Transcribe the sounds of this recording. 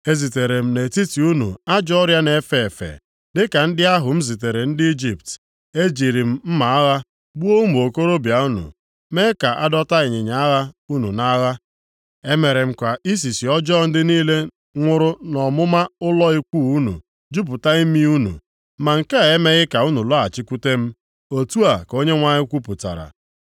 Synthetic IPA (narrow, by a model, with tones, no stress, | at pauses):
e˦zi˨te˨ɾe˨m̩˨ne˨ti˦ti˨u˦nṵ˨a˦d͡ʒɔ˦ɔ˦ɾja˦ne˨˦fe˦˨e˨fḛ˨ | dɪ˦ka˨n̩˦dɪ˦a˦ɦʊ˨m̩˦zi˨t̬e˨ɾe˨n̩˦dɪ˦i˦d͡ʒi˨pt | e˦d͡ʒi˨ɾi˨m̩˦m̩˦ma˨a˦ɣa˦ | ɡ͡bu˦o˦u˦mu˨o˨ko˦ɾo˦bja˨u˦nṵ˨ | me˦ka˨ʔa˦dɔ˦ta˦ɪ˨ɲɪ˨ɲa˨a˦ɣa˦u˦nṵ˨na˦ɣa˦ | e˦me˨ɾe˨m̩˦kʷa˨i˦s̬i˨si˨ɔ˦d͡ʒɔ˦˨n̩˦dɪ˦niː˦le˦ | ŋʷʊ˦ɾʊ˦nɔ˨mʊ˦ma˦ʊ˦lɔ˦i˦kʷu˦˨u˦nṵ˨ | d͡ʒu˦p̬ʊ˨ta˦i˦mi˦u˦nṵ˨ | ma˨ŋ̩˨ke˦a˨e˦me˦ɣɪ˦ka˨u˦nu˨lɔ˦a˨t͡ʃɪ˦kʷu˦te˦m̩˦ | o˦tu˦a˨ko˦ɲe˦ŋʷa˨ɲɪ˦kʷu˦pʊ˨ta̰˨ɾa̰˨